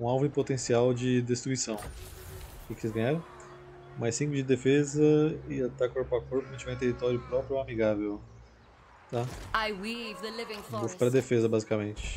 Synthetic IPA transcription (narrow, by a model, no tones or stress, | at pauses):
ũawvʊɪ̃pot̪ẽsiawd͡ʒɪd̪est̪ɾuisɐ̃w̃ | kɪkelɪzɡɐ̃ɲaɾɐ̃ | majsĩɡʊd͡ʒɪd̪efezɐɪat̪akoɾpakoɾpʊẽt͡ʃɪvẽt̪ehit̪ɔɾjʊpɾɔpɾjʊamiɡavew | t̪aajwivðəlɪvɪ̃ŋbufpɾɐd̪efezɐbazikamẽnt͡ʃɪ̥